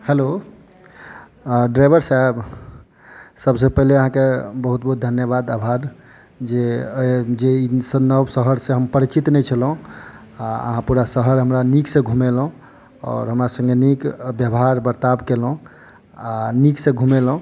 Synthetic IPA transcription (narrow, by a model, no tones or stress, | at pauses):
helo | ɖɾajbəɾsaeb | səbs̬epəɦleəɦãkebəɦut̪̚bəɦut̪d̪ʱənjəbad̪abʱaɾ | d͡ʒe | d͡ʒeisənəbsəɦəɾsẽɦəmpəɾit͡ʃit̪nɛt͡ʃʰəlɦũ | aə̰ɦãpuɾasəɦəɾɦəmɾaniksẽɡʱumelũ | ɔ̰ːɾɦəmɾasə̃ŋɡenikbjəbɦaɾbəɾt̪abkelɦũ | aniksẽɡʱumelɦũ